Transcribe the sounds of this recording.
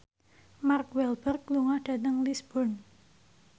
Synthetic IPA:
markwɛlb̥ərk̚luŋahɖ̥ä̤t̪əŋlisb̥ɔn

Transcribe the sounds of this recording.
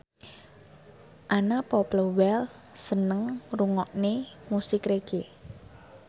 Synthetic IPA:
ʔanapɔpləwɛl | sənəŋruŋɔʔnemusɪkɾeɡ̥e

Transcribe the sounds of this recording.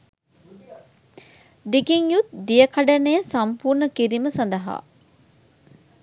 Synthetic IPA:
d̪ikiŋjut̪̚d̪ijəkaɖɐnejəsampuːɾnəkiɾiməsɐnd̪ɐɦa̰ː

